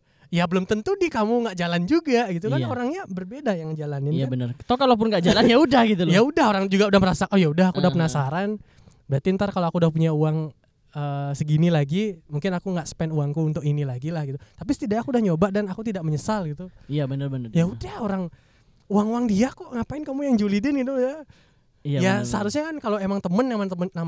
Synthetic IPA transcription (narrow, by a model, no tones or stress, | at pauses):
jabəlʊmt̪ənt̪udikamuŋɡaʔd͡ʒaland͡ʒuɡaɡit̪̬ukkanoɾaŋɲabərbedajaŋd͡ʒalanɪnjabənərt̪akalop̬ʊnɡaʔd͡ʒalanjaudahɡit̪uljaudahoɾaŋd͡ʒuɡaudahməɾasaojaudahakuudahpənasaɾan | bəɾat̪int̪arkaloakuːdahpuɲauaŋ | əːsəɡinilaɡimuŋkɪnakuŋɡaʔsə̥pɛnuaŋkuːnt̪ʊkinilaɡilahɡit̪ut̪apisət̪idaakuːdahɲobaʔdanakut̪idaʔməɲəsalɡit̪uijabənərbənərjaudahoɾaŋ | uaŋuwaŋdiakuʔŋapaɪnkamujaŋd͡ʒulidɪnɡit̪̬uda | jasəhaɾʊsɲakankaloemaŋt̪əmənːamant̪əmənːam